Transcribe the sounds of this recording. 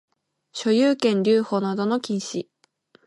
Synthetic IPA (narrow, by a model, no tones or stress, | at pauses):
ɕo̞jɯːkẽ̞nɾʲɨːho̞ːnad̪o̞no̞kʲĩɰ̃ɕi